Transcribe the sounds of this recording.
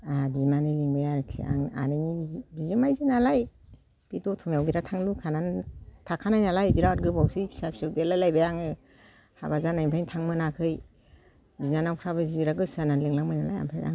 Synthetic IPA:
abizimanɯjliŋbajaɾɯksḭa̰ŋa̰nɯnibizimajzinalaj | b̥idɔtʰɔmjawbiɾatʰaŋlukʰanantʰakʰanajnalajbiɾatɡɯbawsɯbisap̚ʰsɯwdelajlajbajaŋɯ | ha̰bazanajmpʰajŋtʰaŋmɯnakʰɯj | biznanawkʰɾaβɯzibiɾaɡɯsananlɯŋlaŋmajnala̰ja̰mpʰaja̰

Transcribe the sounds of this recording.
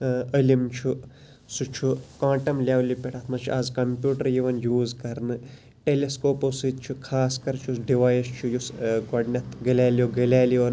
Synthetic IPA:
ɐlimt͡ʃʰu | sut͡ʃʰukãːʈɐmlʲaːwlipʲeʈʰɐt̪ʰmɐt͡ʃʰuaːzkɐmpʲjuːʈɐɾjiʋɐnjuːzkɐɾnɨ | ʈeleskoːposɨt̪̚t͡ʃʰukʰaːskɐɾt͡ʃʰusɖiʋaːjist͡ʃʰujusɡɐɖnʲɐt̪ʰɡɐlʲaːljoɡɐlʲaːljiʋɐn

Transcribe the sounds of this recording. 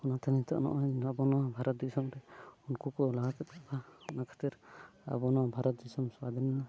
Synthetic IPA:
ɔnat̪ʰanit̪ɔ̰ʔnɔ̰ʔɔɲnabɔnɔwabʱaɾɔt̪̚d͡ʒisɔmɾɛunkukɔlaɡat̪ɛt̪̚kapʰaɔnakʰḁt̪iɾa̰bɔnɔwabʱaɾɔt̪̚d͡ʒisɔmswad̪ɛnana

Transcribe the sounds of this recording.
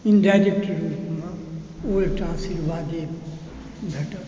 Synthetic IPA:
inɖaːd͡ʒek̚ʈɾuːpmã | oːlʈãːsiɾʋaːd̪e | d̪ʱɐʈək

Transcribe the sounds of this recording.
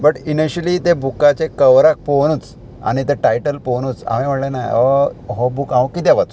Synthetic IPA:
bəʈiniɕəlit̪ẽbukat͡ɕekəʋɾak̚poñuːt͡s | a̰ɽ̃it̪eʈajʈəlponuːt͡sa̰mĩm̤əɽlẽnajəɦɔbukãʋkit̪ɛʋat͡s

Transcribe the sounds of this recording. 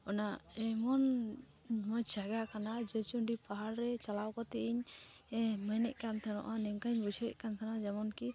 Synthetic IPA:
ɔnaɛmɔn | mɔjd͡ʒaɡakanad͡ʒət͡ʃuɳɖipaɦaɽɾɛt͡ʃalawkɔt̪ɛʔiɲ | ɛmənɛ̰ʔkant̪ʰanɔ̰ʔanɛŋkaɲbud͡ʒʰʱɛʔ̚kant̪ʰanad͡ʒɛmɔnki

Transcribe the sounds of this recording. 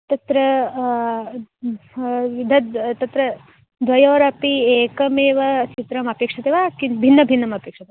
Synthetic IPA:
t̪ɐt̪ɾɐ | ʋid̪ʱɐt̪t̪ɐt̪ɾɐ | d̪ʱʋɐjɐʋɐɾɐpieːkɐmeːʋɐst͡ʃit̪ɾɐmɐpeːkʂɐt̪eʋaːkibʱinːɐbʱinːɐmɐpeːkʂɐt̪e

